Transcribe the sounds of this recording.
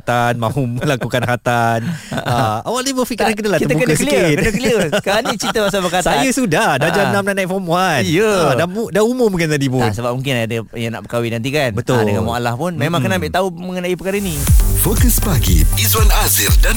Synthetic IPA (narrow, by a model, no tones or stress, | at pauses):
t̪anmãɦuməlakukanɦat̪anəawalnibəfikiɾankədəlatkit̪əbukəkəskikikənəkəliəkaanĩt͡ʃit̪əbasabəkat̪sajəsudahdadd͡ʒanamnaʔnãifɔmuanjəadamudaumʊmbukant̪adipʊlnsəbap̚muŋkɪnaadə | jana̰ʔpəkawidant̪ikanbət̪ʊldəkamualahpʊnmemãŋkənãmbɪʔt̪auməŋənaipəkaɾəinĩfokəsbaɡḭizwanaziɾdan